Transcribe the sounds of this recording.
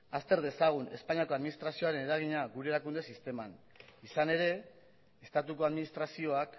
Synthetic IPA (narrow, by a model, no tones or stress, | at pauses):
ast̪e̞ɾðe̞saɣ̞une̞̰spaɲiako̞aðminist̪ɾasio̞aɾe̞ne̞ɾaɣ̞iɲaɣuɾeɾakund̪e̞sist̪e̞man | isane̞ɾe̞ | est̪at̪uko̞aðminist̪ɾasio̞ak